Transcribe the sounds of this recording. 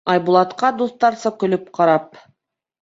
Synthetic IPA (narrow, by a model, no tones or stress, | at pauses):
ɑjbulˠɑt̪qɑd̪uθt̪ɑɾsɤkɵ̆lɵp̚qɑɾɑp̚